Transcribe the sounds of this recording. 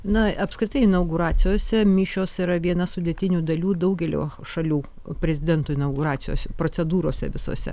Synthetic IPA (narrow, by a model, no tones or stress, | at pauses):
nɐɐpskɾʲɪt̪ɐɪɪnɐʊɡʊɾɑːt̪t͡s̪ʲɪjoːsʲɛmʲiːʃʲoːsɪɾɐʋʲiɛnɐsʊd̪ʲet̪ʲɪnʲuːd̪ɐlʲuːd̪ɐʊɡʲɛlʲo̰ːʃɐlʲuː | pʲɾʲɛzʲɪd̪ʲɛnt̪oːɪnɐʊɡʊɾɑːt̪sʲɪjo̰ːsʲpɾoːt͡s̪ʲɛd̪uːɾoːsʲɛ̰ʋʲɪso̰ːsʲɛ̰